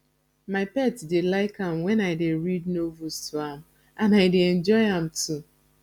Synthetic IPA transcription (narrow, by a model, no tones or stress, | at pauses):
maɪpɛtdelaɪkãmwɛ̃naɪdeɹid̚novustʰuãm | ãnaɪdeɛ̃nd͡ʒɔɪãm̩tu